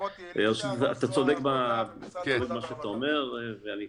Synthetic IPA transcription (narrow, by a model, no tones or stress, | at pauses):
eʃutaat̪at͡sod̪e̞kba | ovelmaʃeat̪aome̞ʁveani